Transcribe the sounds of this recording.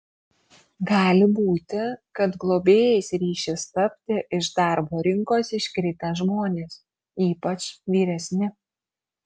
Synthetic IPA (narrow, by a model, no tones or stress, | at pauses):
ɡɑːlʲɪbuːt̪ʲɪkɐt̪ɡlˠoːbʲeːjɛɪsɾʲiːʃʲɪst̪ɐpʲt̪ʲɪʔɪʃd̪ɑˑɾboːɾʲɪŋkoːsɪʃʲkʲɾʲɪt̪ʲɛʒmoːnʲeːs | iːpɐt͡ʃʋʲiːɾʲɛsʲnʲɪ